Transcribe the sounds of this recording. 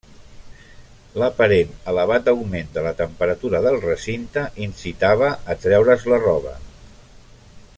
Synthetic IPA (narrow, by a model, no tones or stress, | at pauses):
ləpəɾenələβ̞at̪̚d̪əwmend̪ələt̪əmpəɾət̪uɾəðəlˠrəsint̪əʔinsit̪aβ̞əʔːt̪ɾɛwɾəzlərɔβə̰